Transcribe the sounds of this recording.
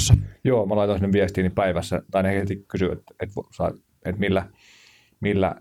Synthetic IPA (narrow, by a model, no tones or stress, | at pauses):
sːɑjoːmɑlɑˑit̪onsinːeʋʋiest̪iːnippæiʋæsːæt̪ɑinehkset̪ikkysyḛt̪et̪ʋsɑ̰ | et̪milːæ | milːæ̰